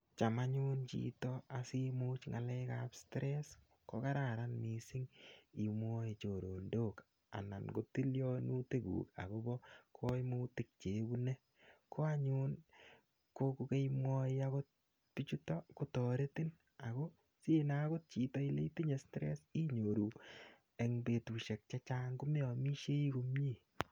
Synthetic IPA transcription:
t͡ʃa˨maɲʊ˦nt͡ʃḭ˨tɔa˨si˦mu˦t͡ʃŋa˨lɛ˦kapstɾɛs | ko˦ka˦ɾa˨ɾanmi˨si˦ŋi˨mwɔ˦i˨t͡ʃo˨ɾo˨ndo˦k | a̰˨na̰˨nko˦ti˦ljɔ˦nu˦te˦kṵː˨ka̰˨ko˦bɔ˦kʰo˦jmuːtɪ˦k̚t͡ʃe˨bu˦ne˦ | kʰo˦a˦ɲʊ˦n | ko˦ku˦ke˦mwɔ˦iaɣo˦t̚ | pi˦t͡ʃu˦tɔko˦tɔ˨ɾe˦ti˦n | a˨ko˦ | si˦na˦ɣo˦t̚t͡ʃi˨tɔ˦i˦le˦ti˦ɲe˨stɾe˦si˦ɲo˨ɾu˨ | e˨ŋbe˨tuː˨ʃe˨k̚t͡ʃa˦t͡ʃa˦ŋku˦me˦ɔ˨mi˦ʃe˦i˦ko˧mji˦˨

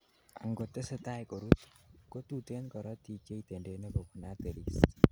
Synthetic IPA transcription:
a˨ŋɡo˨t̪ːɛ˦sɛ˦t̪a˦jko˨ɾu˦t̪ko˦t̪ut̪e˦nkɔ˨ɾɔ˦t̪i˨ke˦it̪e˨nde˨˦ne˦bo˨ku˨nat̪e˨ɾi˨s

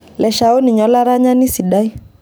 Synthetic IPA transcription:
lɛ˨ʃa˨ɔ˦ni˨ɲɔ˦la˦ɾa˦ɲa˦ni˦si˨ɗa˦i˦

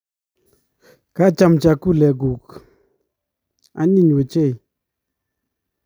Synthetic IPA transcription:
ka˦t͡ʃa˨mt͡ʃa˨ku˦˨lɛ˨ɡu˨k | a̰˦ɲi˦ɲ˨we˨t͡ʃe˦˨j

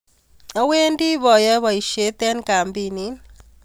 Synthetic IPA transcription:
ɔ˦we˦ndi˦βɔ˨jɔ˦βɔ˨i˨ʃe˦t̪ɛ˦nka˨mbi˨ni˦n

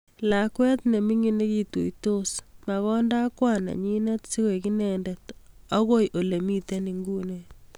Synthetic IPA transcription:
la˨kwɛ˦tne˨mi˦ŋi˦ne˦ki˨to̰˨to˦sma˨ɣɔ˦nda˦kwana̰˨ɲi˦nɛ˦tsi˦ɣo˨ki˦nɛ˨ndɛ˨t | ɔ˦ɣo˦jʔo˨le˨mi˦te˦ni˨ŋɡu˦ne

